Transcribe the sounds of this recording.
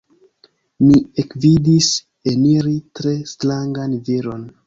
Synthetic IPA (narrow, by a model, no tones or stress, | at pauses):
miekvidis | eniɾitɾe̞slaŋɡanveɾo̞n